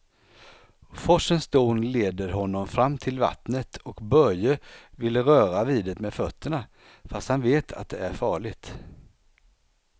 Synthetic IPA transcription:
fɔʂənsd̪oːnleːd̪əɾɦɔnːɔmfɾamːt̪ʰɪlva̰t̪nət̪ʰɔkbœɾjəvɪlːəɾœːɾaviːd̪ət̪meːd̪fœt̪ʰːəɳa | fast̪hanveːt̪ʰa̰t̪̚d̪ɛæɾfɑːɭɪɡt̪

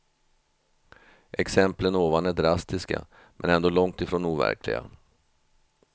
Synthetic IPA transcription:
ʔɛksɛmplənoːvanæɖɾast̪ɪska̰ | mʔɛnɛnd̪oːlɔŋt̪ɪfɾoːnuːvæ̰ɾkʰlɪ̰ɡa̰

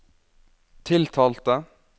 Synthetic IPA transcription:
t̪ʰɪlt̪ʰɑːlt̪ə

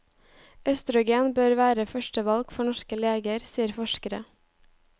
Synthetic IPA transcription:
œst̪ɾʊɡeːnbøːɾʋæːɾəfœʃʈəʋɑlɡfɔɳɔʃkəleːɡəɾsiːəɾfɔʃkəɾə

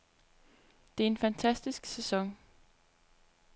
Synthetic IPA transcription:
d̥e̝æɐe̝nfænt͡sʰæsd̥isɡ̥sesɒ̽ŋ

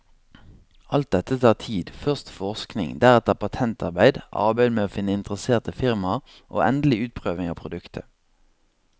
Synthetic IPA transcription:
ʔɑlt̪̚d̪ɛt̪ət̪ʰɑːʁt̪ʰiːd̪fœʁst̪fɔʁsknɪ̰ŋd̪æʁɛt̪əpɑt̪ʰɛnt̪ʰɑ̰ʁbæɪd̪ʔɑ̰ʁbæɪd̪meːoːfɪnːəɪnt̪əʁəseːʁt̪əfɪʁmɑʁ | ʔo̰ːʔɛnd̪l̩ɪʉːt̪̚pʰʁøːʋɪŋɑːpʰʁʊd̪ʉkt̪ʰə̰

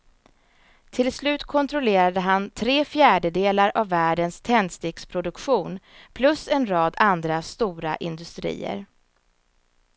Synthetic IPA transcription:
t̪ʰɪlslʉ̟ːt̪kʰɔnt̪ʰɾʊleːɾad̪əɦant̪ʰɾeːfjæːɖəd̪eːlaɾʔavːæːɖənst̪ʰɛnd̪st̪eːkspʰɾʊd̪ɵkɧuːnpʰlɵsɛnɾɑːd̪and̪ɾast̪uːɾa̰ʔɪnd̪ɵst̪ɾḭːə̰ɾ

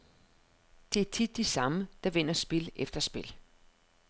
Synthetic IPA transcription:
d̥e̝æɐt͡sʰid̥ːisɑ̈məd̥ɑ̈ʋen̰ɐsb̥e̝lefd̥ɐsb̥e̝l

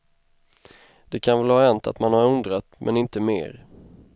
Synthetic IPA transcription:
d̪̥ɛkʰanvɛlhaːɛnt̪a̰t̪manhaɾɵnd̪ɾat̪mʔɛ̰nɪnt̪əmḛːɾ

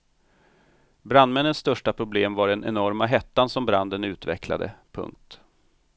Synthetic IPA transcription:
bɾand̪mɛnːənsːt̪œʂʈapʰɾʊbleːmvaɖɛnɛ̰nɔɾmaɦɛt̪ːansɔmbɾand̪ənʉ̟ːt̪vɛ̰kla̰d̪ə̰pʰɵ̰ŋk̚t̪

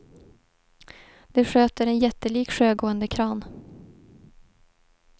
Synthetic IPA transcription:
d̪̥ɛɧøːt̪əɾɛnjɛt̪ːəliːkɧøːɡoːənd̪əkʰɾɑːn

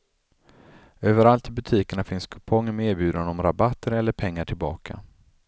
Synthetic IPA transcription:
øːvəɾalt̪ɪbɵt̪ʰiːkəɳafɪnskʰɵ̥pʰɔŋːəmɛeːɾbjʉ̟ːd̪anɔmɾabat̪ːəɾɛlːəɾpʰɛŋːaʈʰɪlbɑːkʰa̰

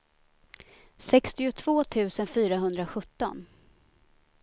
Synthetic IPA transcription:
sɛkst̪ɪʊt̪ʰv̥oːt̪ʰʉ̟ːsənfyːɾaɦɵnd̪ɾaɧɵt̪ːɔ̰n

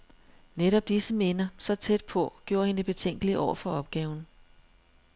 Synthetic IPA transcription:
neɾɒ̽b̥̚d̥isəme̝nɐsɒ̽t͡sʰed̥̚pʰɒ̽ɡ̥jo̝ːɐhe̝neb̥e̝t͡sʰeŋ̰ɡ̥əliʔɒ̰ʊ̰ɐfɒ̽ɒ̽b̥ɡ̥ɛːʊn̩

